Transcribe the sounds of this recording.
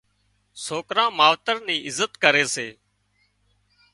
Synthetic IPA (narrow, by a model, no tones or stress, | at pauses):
soːkɾãːmaːʋt̪əɾniːʔɪzət̪kəɾeːseː